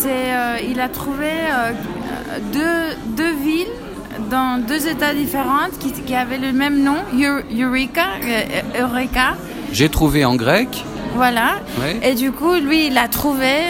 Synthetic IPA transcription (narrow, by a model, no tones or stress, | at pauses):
sɛøilat̪χuveø̰ | d̪ød̪øvil | d̪ɑ̃d̪øzet̪ad̪ifeʁɑ̃t̪kʲikʲiavɛləmɛmnɔ̃jyjyʁika | øʁɛka | ʒet̪χuveɑ̃ɡʁɛk | vwala | wied̪ykulɥiːlat̪χuve